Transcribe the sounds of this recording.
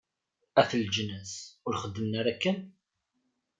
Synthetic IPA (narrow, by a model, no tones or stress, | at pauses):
æθld͡ʒnæsʊɾχəd̪ːəmnaɾækːən